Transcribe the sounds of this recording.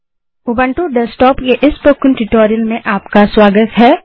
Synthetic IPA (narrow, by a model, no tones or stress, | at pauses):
ʊbə̃ɳʈuɖəsʈɔːpkeʔɪspokːɪ̃nʈɪʈɔːɾijəlmẽʔaːpkaswaːɡət̪ɦɛː